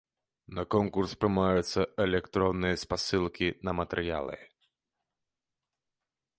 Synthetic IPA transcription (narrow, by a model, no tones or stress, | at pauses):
nɐkɔnkurspɾɨmajut̪sːɐɛlʲɛkt̪ɾɔnːɨjɐspasɨlˠkʲinɐmɐt̪ɛɾja̰lˠɨ̰